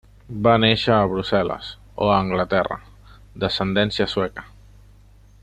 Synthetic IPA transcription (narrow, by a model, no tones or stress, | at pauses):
baneʃəːβɾusɛlə̰s | o̰əːŋɡlət̪ɛrə̰ | d̪əsənd̪ɛnsiəswɛkə̥